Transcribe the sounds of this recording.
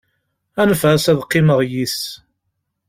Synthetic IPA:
ænəfæsæðqːɪməʁjiθ

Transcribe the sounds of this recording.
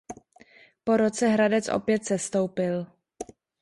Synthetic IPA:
po̞ɾo̞t͡sɛɦɾadɛt͡sʔo̰pjɛt̪sɛst̪owpɪl

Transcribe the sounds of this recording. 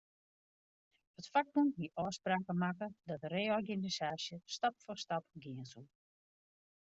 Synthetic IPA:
hətfak̚munɦiʔɔːspraːkəmakədɔtəreːɔrɡinisaːsjəstapfɔrstapɡɪənsu

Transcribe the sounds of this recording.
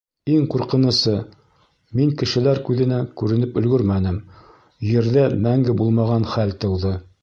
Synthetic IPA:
iŋquɾqɤ̆nɤ̆sɤ | miŋkɘ̆ʃɘ̆læɾkʉðɘ̆nækʉɾɘ̆nɘpɵ̆lɡɵɾmænɘm | jɘ̆ɾðæmæŋɡɘbulˠmɑʁɑnχælt̪ɤ̆wðɤ

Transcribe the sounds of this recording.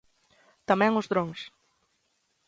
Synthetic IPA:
t̪amɛ̃ŋʊzðɾoŋs

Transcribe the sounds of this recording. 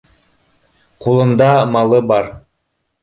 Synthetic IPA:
qʰulˠɯmd̪ɑmɑlˠɯbɑɾ

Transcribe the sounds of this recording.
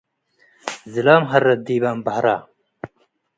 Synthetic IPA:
zilaːmɦɐrːɐd̪iːbaːmbɐhɾaː

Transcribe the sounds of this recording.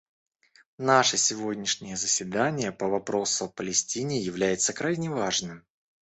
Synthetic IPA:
naʂəsʲɪvo̞dʲnʲɪʂnʲɪjəzəsʲvʲɪd̪anʲɪjəpəvɐpɾo̞sʊɐpəlʲɪsʲtʲinʲɪjɪvlʲæjɪt̪səkɾajnʲɪvaʐnɨm

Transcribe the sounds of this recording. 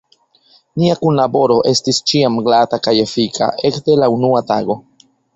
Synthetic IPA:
niakunlabo̞ɾo̞ʔe̞stist͡ʃiamɡlatakaje̞fikʰa̰ʔe̞kde̞launuataɡo̞

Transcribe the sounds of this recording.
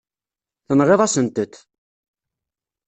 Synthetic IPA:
θənʁeðˤɑsənt̪əθ

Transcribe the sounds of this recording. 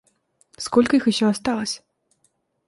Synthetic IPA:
skɔlʲkɐixɪɕːɔast̪alˠəsʲ

